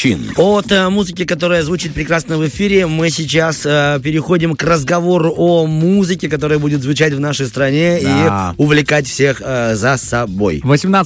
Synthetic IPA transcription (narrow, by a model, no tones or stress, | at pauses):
ḭnot̪muzɨkʲɪkɐt̪o̞ɾɨjəzvut͡ɕɪt̪̚pɾʲɪkɾasnəvɨfʲiɾʲɪmɨsʲɪt͡ɕasəpʲɪɾʲɪxo̞dʲɪmkrəzɡɐvo̞ɾʊʔomuzɨkʲɪkɐt̪o̞ɾɨjəbudʲɪt̪zvʊt͡ɕætʲvnaʂəjst̪ɾɐnʲeiʊvlʲɪkatʲfsʲexzəsɐbo̞̰jvəsʲɪmna